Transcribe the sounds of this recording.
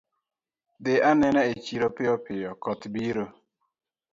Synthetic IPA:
dɪʔanɛnɛet͡ʃiɾopɪɔpɪjɔkɔt̪biɾo

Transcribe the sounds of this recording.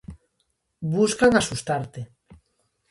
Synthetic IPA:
βuskaŋasust̪aɾt̪e

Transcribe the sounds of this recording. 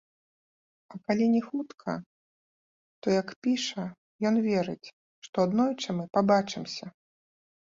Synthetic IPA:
ɐkalʲinʲɛxut̪kʰɐ̰ | t̪ɔjɐkpʲiʂɐ | jɔnvʲɛɾɨt͡sʲ | ʂt̪ɔad̪nɔjt͡ʂɐmɨpabat͡ʂɨmsʲɐ

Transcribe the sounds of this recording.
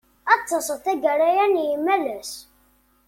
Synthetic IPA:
ɑt̪ˤːɑsθæɡəɾæjænjəmːælæs

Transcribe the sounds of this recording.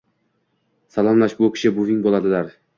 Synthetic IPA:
salˠɒmlaʃbʊkʲʰɪ̥ʃɪbʊvɪŋbolˠad̪ɪlaɾ

